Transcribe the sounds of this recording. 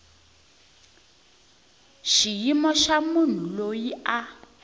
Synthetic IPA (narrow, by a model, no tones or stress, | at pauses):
ʃijimɔʃamun̤ulojiʔa